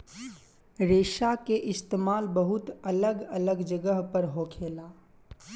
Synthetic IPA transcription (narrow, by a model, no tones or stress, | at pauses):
ɾeːʃakeʔɪst̪eːmaːlbəɦʊt̪ɐləɡələɡd͡ʒəɡəɦpəɾɦoːkʰeːlaː